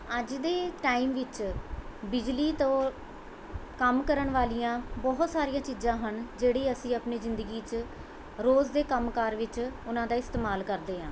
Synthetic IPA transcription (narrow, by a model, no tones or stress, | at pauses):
əd͡ʒd̪eːʈaːiːmʋɪt͡ʃ | bɪd͡ʒliːt̪õː | kəmkəɾəɳʋaːlijãːbɔːɦʊt̪saːɾijãːt͡ʃiːd͡ʒãːɦənd͡ʒeːɽiːəsĩːapniːzɪnd̪əɡiːt͡ʃ | ɾoːzd̪eːkəmkaːɾʋɪt͡ʃʊnãːd̪aːɪst̪eːmaːlkəɾd̪eːɦãː